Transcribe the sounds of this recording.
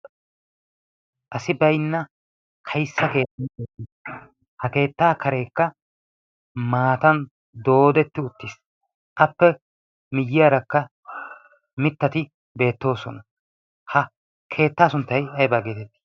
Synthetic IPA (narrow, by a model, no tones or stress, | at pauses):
ʔɐsɪbɐjnːɐ | kʰɐjsːɐke̞ːt̪ːɐnkeːt̪ːis | hɐke̞ːt̪ːaːkʰɐɾe̞ːkːɐ | maːt̪ɐn | d̪o̞ːd̪ɛt̪ːɪʊt̪ːis | ʔɐpːɛ | mɪjːɪjaːɾɐkːɐ | mɪt̪ːɐt̪ɪ | be̞ːt̪ːo̞ːsɔnɐ | hɐ | kʰe̞ːt̪ːaːsʊnt̪ːɐjɐjbaːɡeːt̪ɛt̪ːi̥